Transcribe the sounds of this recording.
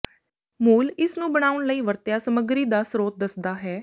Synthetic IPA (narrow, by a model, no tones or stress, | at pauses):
muːlɪsnũːbəɽ̃aːʊɳləiːʋəɾt̪jaːsəməɡɾiːd̪aːsɾoːt̪̚d̪əsd̪aːɦɛː